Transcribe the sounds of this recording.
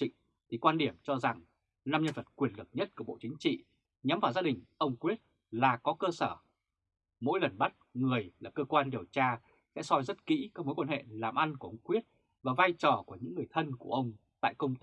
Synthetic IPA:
ḭ˧˨ŋ̟ | t̪ʰi˨˩kwaː˧nɗi˧˩əmt͡ɕɔ˧za˨˩ŋ | na˧mɲə˧nvə˨˩t̚kwi˨˩ənlɨ˨˩k̚ɲə˦˥t̚ku˧˩ɓo̰˧˨t͡ɕï˨˦ŋ̟t͡ɕḭ˧˨ | ɲa˨˦mvaː˨˩wzaː˧ɗï˨˩ŋ̟ʔə˧wŋ͡mkwi˦˥ət̚ | laː˨˩kɔ˨˦kəː˧səː˧˩ | mo̰˧˥jlə˨˩nɓa˦˥t̚ŋɨ˨˩əjlaː˨˩p̚kəː˧kwaː˧nɗi˨˩əwt͡ɕaː˧ | sɛ̰˧˥sɔ˧jzə˦˥t̚kḭ˧˥kɔ˨˦mo˨˦jkwaː˧nhḛ˧˨laː˨˩mʔa˧nku˧˩ʔə˧wŋ͡mkwi˦˥ət̚ | vaː˨˩vaː˧jt͡ɕɔ˨˩ku˧˩əɲɨ̰˧˥ŋːɨ˨˩əjt̪ʰə˧nku˧˩əʔə˧wŋ͡mt̪a̰ː˧˨jkə˧wŋ͡m̪

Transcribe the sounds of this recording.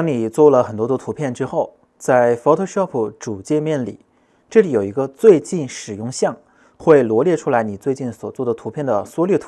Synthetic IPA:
ɑ˥ŋni˨˩t͡swɔ˥˩lə˩xə˨˩nt̪wɔ˥t̪̬wɔ˥t̪ʰu˧˥pʰjɛ˥˩˧nʈ͡ʂɻ̩˥xo˥˩ʊ | t͡sa˥˩ɪfo˧˥t̪ʰɤ˥˧ʂɑ˥˩pʰu˨˩ʈ͡ʂu˨˩t͡ɕjɛ˥˧mjɛ˥˩nlḭ˨˩˦ | ʈ͡ʂɤ˥˩li˨˩˥jo˨˩ʊi˧˥ɡə˧t͡swe˥˧ɪt͡ɕi˥˩nʂɻ̩˨˩jʊ˥˧ŋɕjɑ˥˩ŋ | xwe˥˩ɪlwɔ˧˥ljɛ˥˧ʈ͡ʂʰu˥la˧˥ɪni˨˩t͡swe˥˧ɪt͡ɕi˥˩nswɔ˨˩t͡swɔ˥˩d̪ə˩t̪ʰu˧˥pʰjɛ˥˩nd̪ə˩swɔ˥ljɛ˥˩t̪ʰ

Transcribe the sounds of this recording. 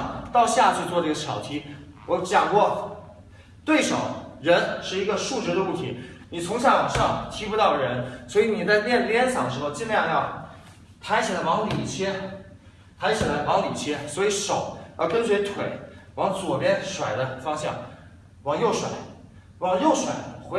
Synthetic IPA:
t̪ɑ˥˧ʊɕja˥˧t͡ɕʰy˥˧t͡swɔ˥˧ə˧˥˩ə˧˩jɑ˨˩ʊt̪ʰi˧˥wɔ˧˥t͡ɕjɑ˨˩ŋkwɔ˥˩ | t̪we˥˩ɪʂo̰˨˩˦ʊɻə˧˥nʂɻ̩˥˩i˧˥ɡə˧ʂu˥˧ʈ͡ʂɻ̩˧˥d̪ə˧u˥˩t̪ʰi˧˥ni˨˩t͡sʰʊ˧˥ŋɕ̬ʰja˥˩wa˨˩nʂɑ˥˧˩ŋt̪ʰi˥pu˥t̪ɑ˥˩ʊɻə˧˥nswɔ˧˥i˧˥ni˨˩t͡sa˥˧ɪljɛ˥˧n˧ljɛ˥nsʰɑ˨˩ŋd̪ə˩ʂɻ̩˧˥xo˧ʊt͡ɕi˥˧nljɑ˥˧ŋjɑ˥˩ʊ | t̪ʰa˧˥ɪt͡ɕʰi˨˩lə˩wɑ˧˥ŋli˨˩t͡ɕʰjɛ˥ | t̪ʰa˧˥ɪt͡ɕʰi˨˩lə˧˥wɑ˧˥ŋli˨˩t͡ɕʰjɛ˥swɔ˧˥i˧˥ʂo˨˩˦ʊjɑ˥˧kə˥nswe˧˥ɪt̪ʰwe˨˩˦ɪwɑ˧˥ŋt͡swɔ˨˩pjɛ˥nʂwa˨˩ɪd̪ə˦fɑ˥ŋɕjɑ̰˥˩ŋ | wɑ˨˩ŋjo˥˩ʊʂwa̰˩˦ɪ | wɑ˨˩ŋjo˥˩ʊʂwa̰˨˩˦ɪxwe˧˥

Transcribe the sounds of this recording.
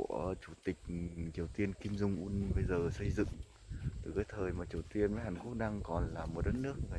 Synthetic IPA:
t͡ɕu˧˩t̪ï˨˩k̟̚t͡ɕi˨˩əwt̪i˧ənki˧mzʊ˧wŋ͡mʔu˧nɓə˧jzəː˨˩sə˧jzɨ̰˧˨ŋ | ɨ˨˩kaː˨˦jt̪ʰəː˨˩jmaː˨˩t͡ɕi˨˩əwt̪i˧ənvə˨˦jɦaː˨˩nku˦˥ək̚ɗaː˧ŋkɔ˨˩nlaː˨˩mːo˨˩t̚ɗə˦˥t̚nɨ˦˥ək̚ŋɨ˨˩

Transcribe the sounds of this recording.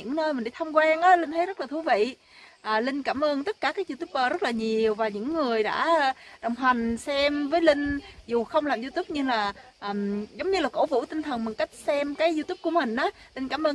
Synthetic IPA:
ɨ̰˧˥ŋnəː˧jmi̟˨˩ɗa̰˧˨˦t̪ʰə˧ŋ͡mkwaː˧ŋʔaː˨˦lï˧ŋ̟t̪ʰe˨˦zə˦˥t̚laː˨˩t̪ʰu˨˦vḭ˧˨ | ʔaː˨˩lï˧ŋ̟kaː˧˩mʔəː˧nt̪ə˦˥t̚kaː˧˩kaː˨˦˥k̚zu˧t̪u˦˥p̚əː˧zə˦˥t̚laː˨˩ɲi˨˩əwvaː˨˩ɲɨ̰˧˥ŋːɨ˨˩əjɗa̰ː˧˥˩ɗə˨˩wŋ͡mɦwa˨˩ŋ̟sɛ˧mvəː˨˦jlï˧ŋ̟zu˨˩xə˧wŋ͡mlaː˨˩mzu˧t̪u˦˥p̚ɲɨ˧ŋlaː˨˩ʔəː˨˩mzə˨˦wŋ͡mɲɨ˧laː˨˩ko̰˧˥vṵ˧˥t̪i˧ŋ̟t̪ʰə˨˩nmə˨˩t̚ka˦˥jk̟̚sɛ˧mkaː˨˦jzu˧t̪u˦˥p̚ku˧˩əmï˨˩ŋ̟ʔaː˨˦lï˧n̟kaː˧˩mʔəː˧

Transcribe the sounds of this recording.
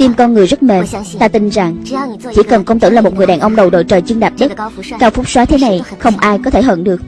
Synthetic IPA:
t̪i˧mkɔ˧nŋɨ˨˩əjzə˦˥t̚me˨˩nt̪aː˧t̪i˧nza˨˩ŋt͡ɕḭ˧˦kə˨˩nkə˧wŋ͡mt̪ɨ̰ː˧˩laː˨˩mo˨˩t̚ŋɨ˨˩əjɗaː˨˩nʔə˧wŋ͡mɗə˨˩wɗo̰˧˨jt͡ɕəː˨˩jt͡ɕɨ˧ŋɗaː˨˩p̚ɗi˦˥t̚kaː˧wfʊ˦˥k͡p̚swaː˨˦t̪ʰe˨˦na˨˩jxə˧wŋ͡mʔaː˧jkɔ˨˦t̪ʰe˧˩ɦə̰˧˩nɗɨ˨˩ək̚

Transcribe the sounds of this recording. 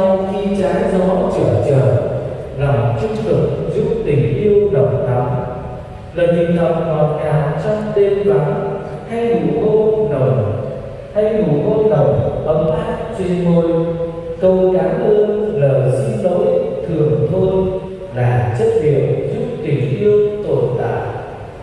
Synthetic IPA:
a˧wxi˧t͡ɕaː˨˦jzɔ˨˦t͡ɕəː˧˩t͡ɕəː˨˩ | la˨˩mt͡ɕʊ˧ŋ͡mt̪ɨ˨˩k̚zu˦˥p̚t̪ï˨˩ŋ̟ʔi˧əwɗə˨˩wk͡p̚ɗ̪ɔ˨˦ŋ͡m | ləː˨˩jti˨˩ŋt̪ʰə˨˩k͡p̚nɔ˨˩t̚ɲaː˨wt͡ɕɔ˧wŋ͡mt̪e˧nva˨˦ŋ | h̪ʰa˧jɗu˧˩ŋo˧no˨˩j | t̪ʰa˧jɗu˧˩ŋo˧nə˨˩wɓə˨˦mʔaː˦˥t̚t͡ɕwi˧ŋmo˧jkə˧wkaː˨˦lə˧əŋləː˨˩jsḭ˧ŋzo̰˧˥jt̪ʰɨ˨˩əŋt̪ʰo˧j | laː˨˩t͡ɕə˦˥t̚ɗḭ˧˨əwzu˦˥p̚t̪ï˨˩ŋ̟ʔi˧əwt̪o˨˩nt̪a̰ː˧˨jʔ

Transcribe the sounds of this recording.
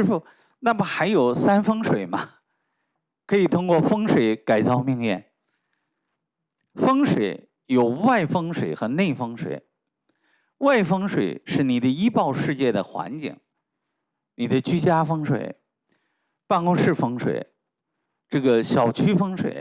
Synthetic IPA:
ɻ̩˥˩fu˨˩ | na˥˩mɐ˩xa˧˥ɪjo˨˩ʊsa˥nfɤ˥ŋʂwe˨˩ɪmɐ˧ | kʰɤ˧˥i˨˩t̪ʰʊ˥ŋkwɔ˥˩fɤ˥ŋʂwe˨˧˥ɪka˨˩ɪt͡sɑ˥˧ʊmi˥˧ŋjɛ˥˩n | fɤ˥ŋʂwe˨˩˥ɪ | jo˨˩ʊwa˥˩ɪfɤ˥ŋʂwe˨˩ɪxɤ˧˥ne˥˩ɪfɤ˥ŋʂwḛ˨˩˦ɪ | wa˥˩ɪfɤ˥ŋʂwe˨˩ɪʂɻ̩˥˩ni˨˩d̪ə˦i˥pɑ˥˧ʊʂɻ̩˥˧t͡ɕjɛ˥˩d̪ə˩xwa̰˧˥nt͡ɕḭ˨˩˦ŋ | ni˨˩d̪ə˦t͡ɕy˥t͡ɕja˥fɤ˥ŋʂwḛ˨˩ɪ | pa˥˧nkʊ˥ŋʂɻ̩˥˩fɤ˥ŋʂwḛ˨˩ɪ | ʈ͡ʂɤ˥˩ɡə˩ɕjɑ˨˩ʊt͡ɕʰy˥fɤ˥ŋʂwḛ˨˩˦ɪ

